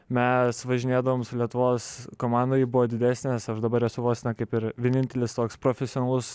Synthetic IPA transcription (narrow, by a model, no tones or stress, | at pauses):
mʲɛsʋɐʒʲɪnʲeːd̪ɐʋoːmsʊlʲiɛt̪ʊʋoːskoːmɑːnd̪oːjibʊʋoːd̪ʲɪd̪ʲæːsʲnʲeːsɐʃd̪ɐbɐɾɛsʊʋoːksʲnʲɐkɐɪpɪɾʋʲiɛnʲɪnʲt̪ʲɛlʲɪst̪oːkspɾoːfʲɛsʲoːnɐlˠʊs